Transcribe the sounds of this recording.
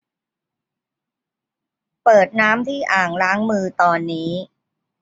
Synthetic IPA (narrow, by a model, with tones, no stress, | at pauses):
pɤː˨˩t̪̚naː˦˥mt̪ʰiː˥˩ʔaː˨˩ŋɾaː˦˥ŋmɯː˧t̪ɔː˧nːiː˦˥